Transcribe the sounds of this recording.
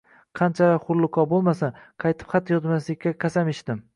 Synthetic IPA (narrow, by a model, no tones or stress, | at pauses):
qʰɑnt͡ʃʰalaχʊɾlˠʊkʰɒbolˠmasanqʰɑjt̪ʰɪ̥pχat̪ʰːjɒzmaslɪkʲːakʰʲasamɪʃt̪ɪm